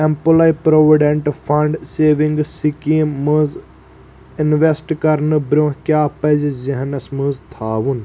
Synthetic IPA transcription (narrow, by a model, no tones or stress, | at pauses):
empəlɐipɾoːʋiɖeɳʈpʰɐɳɖseːʋĩŋɡsikĩːməz | ɪnʋesʈkɐɾnɨbɾʲõkjaːpɐzziɦɐnɐsmɨzt̪ʰaːʋun